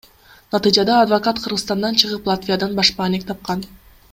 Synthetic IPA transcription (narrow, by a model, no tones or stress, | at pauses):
nɑt̪ɨjd͡ʒɑd̪ɑːd̪vokat̪qʰɯɾʁɯst̪ɑnd̪ɑnt͡ʃʰɯʁɯplˠat̪vʲijad̪ɑnbɑʃpɑːnek̚t̪ʰɑp̚qɑn